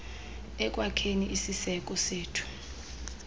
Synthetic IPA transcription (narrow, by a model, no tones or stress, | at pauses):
ɛk̬ʼwakʰeniʔisisɛk̬ʼɔseːtʰu̥